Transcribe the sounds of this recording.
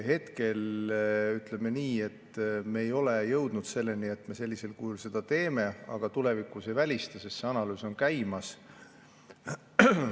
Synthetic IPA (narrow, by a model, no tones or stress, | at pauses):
he̞t̪ke̞l | yt̪leme̞niːe̞t̪ːme̞ːjo̞le̞jɤwd̪̥nud̪̥se̞lːe̞nie̞t̪ːˑme̞se̞lʲːise̞lkujulse̞d̪̥ɑt̪e̞ːme̞ɑ̰ɡ̥ɑt̪ule̞vikːˑusevælʲist̪esest̪seɑnɑlyːso̞nkæjmɑs